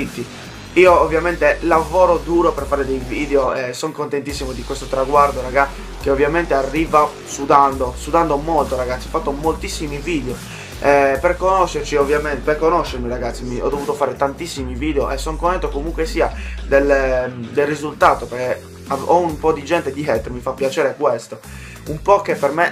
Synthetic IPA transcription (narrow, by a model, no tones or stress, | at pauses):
it̪ːi | iːoːvːjamɛnt̪elavɔːɾod̪uːɾɔpɛrfaːɾed̪ejviːðeoɛsɔŋkont̪ent̪isːimod̪ikwɛst̪ot̪ɾaɡward̪oɾaɣa | keovːjamɛnt̪earːiːva | sud̪and̪osuðand̪omɔlt̪oɾaɣat̪sːiɔfat̪ːomolt̪isːimiviːd̪eo | ɛpɛrkonɔʃːert͡ʃiovːjamɛnt̪perkonɔʃːeɾmiɾaɡat̪sːimiɔ̰d̪ːovuːt̪ofaːɾet̪ant̪isːimiviːd̪eoʔɛsɔŋkont̪ɛnt̪okomuŋkwesiːad̪ɛld̪elrizult̪aːt̪opeɾke | aɔumpɔd̪id͡ʒɛnt̪ed̪iɦɛt̪ːoɾmifapːjat͡ʃɛːɾekwest̪o | umpɔkepɛrme